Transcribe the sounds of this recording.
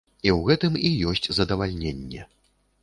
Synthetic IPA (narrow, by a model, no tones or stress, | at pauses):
iwɣɛt̪ɨmijɔsʲt͡sʲzɐd̪ɐvalʲnʲenʲːɛ